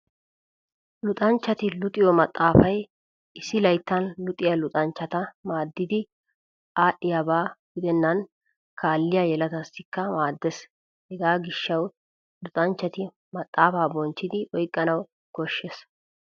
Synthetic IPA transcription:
lʊt̪ʼɐnt͡ʃːɐt̪ɪlʊt̪ʼɪjɔmɐt̪ʼːaːfɐj | ʔɪsɪlɐjt̪ːɐnlʊt̪ʼɪjɐlʊt̪ʼɐnt͡ʃːɐt̪ɐmaːd̪ːɪd̪ɪ | aːʔɪjɐbaːɡʊd̪ɛnːɐn | kʰaːlːɪjajɛlɐt̪ɐsɪkːɐmaːd̪ːɛs | hɛɡaːɡɪʃːɐw | lʊt̪ʼɐnt͡ʃːɐt̪ɪ | mɐt̪ʼːaːfaːbɔnt͡ʃːɪd̪ɪʔɔjkʼːɐnɐw | kɔʃːes

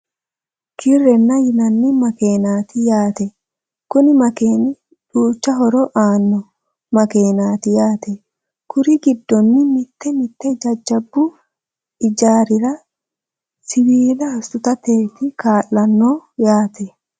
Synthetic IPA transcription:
kʰɪrːɛnːɐjɪnɐnːɪmɐke̞ːnaːt̪ɪjaːt̪ɛ | kʊnɪmɐkeːnɪ | ᶑuːt͡ʃːɐɦɔɾɔʔaːnːɔ | mɐke̞ːnaːt̪ɪjaːt̪ɛ | kʊɾɪɡɪd̪ːɔnːɪmɪt̪ːɛmɪt̪ːɛd͡ʒɐd͡ʒːɐbːʊ | ʔɪd͡ʒaːɾɪɾɐ | sɪwiːlɐɐsʊt̪ɐt̪eːt̪ɪkaːlːɐnːoːjaːt̪ɛ

